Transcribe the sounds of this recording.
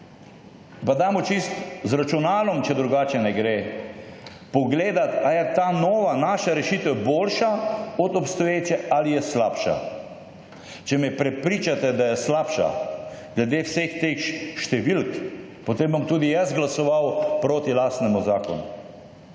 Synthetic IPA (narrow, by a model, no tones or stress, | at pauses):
pad̪aːmɔt͡ʃist̪zɾat͡ʃunaːlɔmt͡ʃɛd̪ɾuɡaːt͡ʃɛnɛɡɾeː | pɔɡleːd̪at̪ajɛt̪aːnɔːʋanaːʃaɾɛʃiːt̪ɛwboːlʃaɔt̪ɔpst̪ɔjeːt͡ʃɛalijɛslaːpʃa̰ | t͡ʃɛmɛpɾɛpɾiːt͡ʃat̪ɛd̪ajɛslapʃa̰ɡ̥lɛd̪eːwsext̪exʃt̪ɛʋilk | pot̪embɔmt̪uːd̪ijazɡlasɔʋawpɾoːt̪ilaːst̪nɛmuzaːkɔ̰nṵ